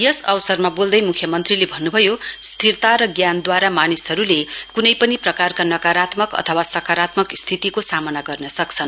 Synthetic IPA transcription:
jʌsʌwsʌrmabold̪ʌjmukʰjʌmʌnt̪rilebʱʌnːubʱʌjost̪ʰirt̪aɾʌɡjand̪waɾamanisɦʌɾulekunʌjpʌniprʌkarkanʌkaɾat̪mʌkʌ̰t̪ʰʌwasʌkaɾat̪mʌkst̪ʰit̪ikosamʌnaɡʌrnʌsʌkt͡sʰʌn

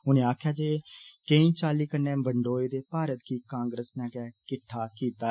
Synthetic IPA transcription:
ʊnẽːaːkʰjaːd͡ʒeːkẽĩːt͡ʃaːliːkəɾnɛ̃ːbəɳɖoːeːd̪eːpaːɾət̪kiːkãːŋɡɾəsnɛ̃ːkɛːkɪʈʰːaːkiːt̪aː

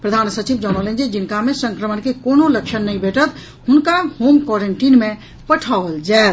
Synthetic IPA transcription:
pɾəd̪ʱaːnsət͡ʃibd͡ʒɔnolẽnd͡ʒid͡ʒinkamesə̃ŋkɾəmənkekonoləkʃʰənːəĩbʱeʈət̪ | hunkahomkɔɾeɳʈinmẽ | pəʈʰaʋəld͡ʒaet̪

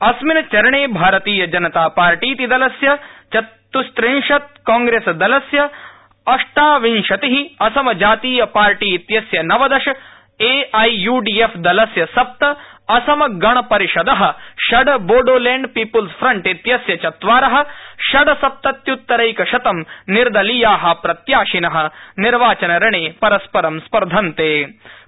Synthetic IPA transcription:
ɐsminɐt͡ʃɐɾɐɳeːbʱaːɾɐt̪iːjɐd͡ʒɐnɐt̪aːpaːɾʈiːt̪id̪ɐlɐsjɐt͡ʃɐ | t̪ːust̪ɾinʃɐt̪̚kaːŋɡɾeːsɐd̪ɐlɐsjɐ | ɐʂʈaːʋinʃɐt̪iɦiɐsɐmɐd͡ʒaːt̪iːjɐpaːɾʈiːt̪jɐsjɐnɐʋɐd̪ɐʃɐ | eːɐjjuːɖiːefʰd̪ɐlɐsjɐsɐp̚t̪ɐɐsɐmɐɡɐɳ̃ɐpɐɾiʃɐd̪ɐɦɐ̆ʃɐɖɐboːɖoːleːɳɖpiːpɐlspʰɾɐɳʈit̪jɐsjɐt͡ʃɐt̪ʋaːɾɐɦɐ̆ʃɐɖɐsɐp̚t̪ɐt̪jut̪ːɐɾɐjkɐʃɐt̪ɐmniɾd̪ɐlijaːɦɐ̆pɾɐt̪jaːʃinɐɦɐ̆niɾʋaːt͡ʃɐnɐɾɐɳeːpɐɾɐspɐɾɐmspɐɾd̪ʱɐnt̪eː

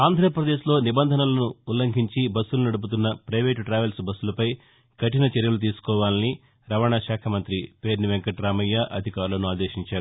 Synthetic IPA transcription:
aːnd̪ʱɾɐpɾɐd̪e̞ːʃlo̞ːnibɐnd̪ʱɐnɐlɐnuːlɐŋkʰiɲt͡ʃibɐsːulɐnɐɽup̬ut̪̬unːɐpɾɐjʋeːʈʈɾaːʋelsbɐsːulɐpɐj | kɐʈinɐt͡ʃeɾjɐlut̪iːsu̥kɔːʋaːlɐni | ɾɐʋɐɳaʃaːkʰɐmɐnt̪ɾipe̞ːɾniʋeŋkɐʈɾaːmɐjːaʔɐd̪ʱikaːɾulɐnuaːd̪eːʃiɲt͡ʃaːɾu

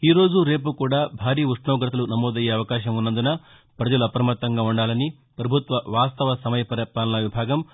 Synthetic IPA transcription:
iːɾo̞ːd͡ʒuɾe̞ːp̬ukuːɽaːbʱaːɾiːuʂɳɐʋɡɾɐt̪ʰɐlunɐmoːd̪ɐjeːɐʋɐkaːʃɐmunːɐnd̪unɐ | pɾɐd͡ʒɐluɐpɾɐmɐt̪ːɐŋɡaːuɳɖaːlɐni | pɾɐbʱut̪ʋɐʋaːst̪ɐʋɐsɐmɐjɐpɐɾɐpaːlɐnɐʋibʱaːɡɐm

